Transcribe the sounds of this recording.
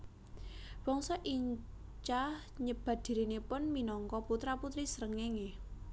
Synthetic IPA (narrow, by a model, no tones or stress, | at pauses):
b̥ɔŋsɔʔiɲ | t͡ʃah | ɲəb̥a̤d̪̥i̤ɾinepʊnminɔŋkɔput̪ɾaput̪ɾisəɾəŋeŋe